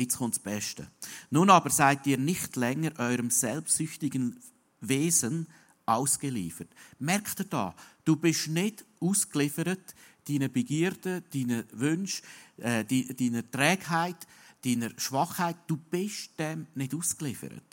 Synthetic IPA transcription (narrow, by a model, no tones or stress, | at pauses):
ɪt͡sχʊntsb̥ɛʃtə̰nunɑːbəɾsaɪtiːɾnɪxtlɛŋəɾʔɔʏɾəmsɛlpssʏçtɪɡ̥ən | veːzən | ʔaʊskəlḭːfərtmɛɾktəd̥ɑ̰ːd̥uːbɪʃnɪd̥uːsklɪfəɾətd̥iːnəbeɡiːɾd̥əd̥iːnəvʏnʃɛːdid̥iːnəɾtɾɛːɡhaɪtd̥iːnəɾʃvɑχhaɪt̚d̥uːb̥ɪʃd̥ɛmnɪduːsklɪfə̰ɾə̰t̚